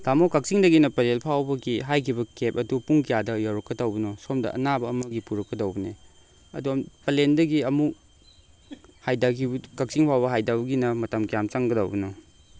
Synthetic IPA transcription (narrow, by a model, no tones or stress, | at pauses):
tamokɐk̚siŋdɐɡinɐpɐlelpʰawbɐɡiɦajkʰibɐkep̚ɐdupuŋkijadɐjawɾɐkːɐdawbɐnɔsomdɐ̰ʔɐ̰nabɐːmɐɡipuɾɐkːɐdɐwbɐne | ɐ̰duɐpɐlendɐɡiɐmuk̚ | hajdaɡikɐk̚siŋpʰawbɐɦajdabɐɡinɐmɐtɐmkijamt͡ʃɐŋɡɐda̰wbɐnɔ